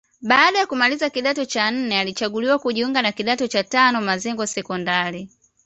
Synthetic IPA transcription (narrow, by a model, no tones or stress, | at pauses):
ɓaːɗajakumalizakiɗatɔt͡ʃan̩nɛalit͡ʃaɡuliwakuʄiuŋɡanakiɗatɔt͡ʃatanɔmazɛŋɡɔsɛkɔndaɾi